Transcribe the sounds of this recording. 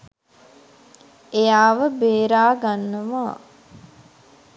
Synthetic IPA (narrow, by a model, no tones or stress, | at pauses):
ejaːʋəbeːɾaːɡanːəʋaː